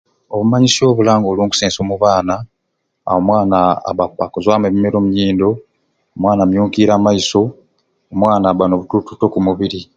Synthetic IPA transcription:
o̞βumaɲisjo̞ːβulaːŋɡoluːŋku̥seːnsoːmuβaːna | a̰omwaːnaa̰βakakozwameβime̞ɾo̞ːmuɲiːndo̞ː | mwaːnamjuːŋkiɾaːmaiso̞ | omwaːnaːβanoβutututo̞kumuβiɾi

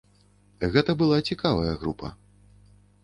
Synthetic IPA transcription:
ɣɛt̪ɐbɨlˠat͡sʲikavɐjɐɣɾupʰɐ̰

